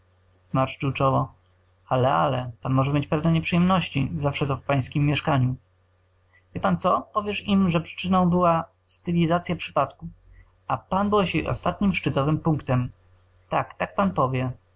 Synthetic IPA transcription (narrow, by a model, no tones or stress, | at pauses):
smaɾʂt͡ʂuwt͡ʂɔvɔ | alɛa̰lɛpanmɔʐɛmʲjet͡ɕpɛvnɛɲɛpʂɨjɛmnɔɕt͡ɕḭzafʂɛt̪ɔfpaj̃skʲimːjɛʂkaɲu | vʲjɛpant̪sɔpɔvʲjɛʂimʐɛpʂɘ̥t͡ʂɘnɔ̃w̃bɘwa | st̪ɘlʲizat̪sʲjapʂɘ̥pat̪ku | apanbɘwɛɕjɛjʔɔ̰st̪at̪ɲimʂt͡ʂɘt̪ɔvɘmpuŋkt̪ɛm | t̪akt̪ak̚panpɔvʲjɛ